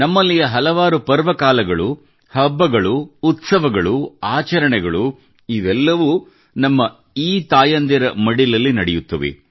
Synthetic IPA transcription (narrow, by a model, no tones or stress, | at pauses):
nɐmːɐlːijɐɦɐlɐʋaːɾupɐɾʋɐkaːlɐɡɐɭu | hɐbːɐɡɐɭuːt̪sɐʋɐɡɐɭuaːt͡ʃɐɾɐɳɛɡɐɭu | iʋɛlːɐʋu | nɐmːɐ | iːt̪aːjɐnd̪ɐɾɐmɐɽilɐlːinɐɽɛjut̪ːɐʋḛ